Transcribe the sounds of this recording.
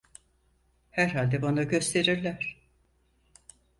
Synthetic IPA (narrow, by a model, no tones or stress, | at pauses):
hæɾɦalʲd̪ɛbanaɟø̞st̪ʰe̞ɾiɾlʲæɾ̥